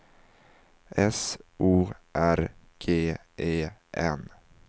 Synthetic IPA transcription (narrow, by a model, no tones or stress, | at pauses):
ʔɛsʔuːʔæɾ | ɡ̥ʰeː | ʔeːʔɛn